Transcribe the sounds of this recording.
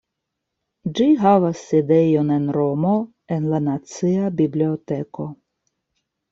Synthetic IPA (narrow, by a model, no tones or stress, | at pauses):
d͡ʒiɦavasːid̪ejonɛnɾomo | ɛnlanat̪sɨabiblʲiot̪eko